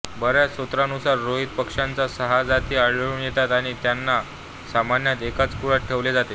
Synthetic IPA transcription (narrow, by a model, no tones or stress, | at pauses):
bəɾjasot̪ɾanusaɾːoɦit̪̚pəkʂãnt͡sasəɦad͡zat̪iːaɭləɭunjet̪at̪aɽ̃it̪janːa | samanjat̪ekat͡skuɽaʈʰeʋled͡zat̪e